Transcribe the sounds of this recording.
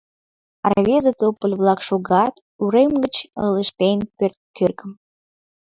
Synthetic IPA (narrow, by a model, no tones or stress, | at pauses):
ɑ̰rβʲezət̪opəlʲβlˠɑkʃoɣɑt̪ | uɾemɡət͡ɕələʃt̪enpørt̪̚kørkəm